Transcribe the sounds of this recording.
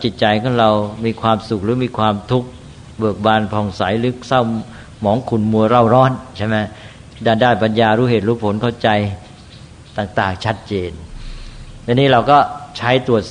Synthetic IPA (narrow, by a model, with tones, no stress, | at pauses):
t͡ɕi˨˩t̪̚t͡ɕa˧jkʰɔː˧˥˩ŋɾa˧wmiː˧kʰwaː˧msu˨˩k̚ɾɯː˩˦miː˧kʰwaː˧mt̪ʰu˦˥k̚ | bɯ˨˩ək̚baː˧npʰɔː˧ŋsa˩˦jlɯ˦˥ksa˥˩w | mɔː˩˦ŋkʰu˧˩nmu˧əɾa˥˩wɾɔː˦˥˩nt͡ɕʰa˥˩jma˦˥ | daː˧ndaː˥˩pa˧njaː˧ɾuː˦˥ɦeː˨˩t̪̚ɾuː˦˥˩pʰo˨˩˦nkʰa˥˩wt͡ɕa˧j | t̪aː˨˩ŋt̪aː˨˩ŋt͡ɕʰa˦˥t̪̚t͡ɕeː˧n | t͡ɕa˧nːiː˦˥ɾa˧wkɔː˥˩t͡ɕʰa˦˥jt̪u˨˩ət̪̚